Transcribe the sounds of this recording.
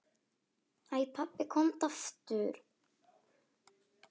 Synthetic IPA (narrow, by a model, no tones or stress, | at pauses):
ajpʰapːɪkʰɔmt̪aft̪ʏɾ̥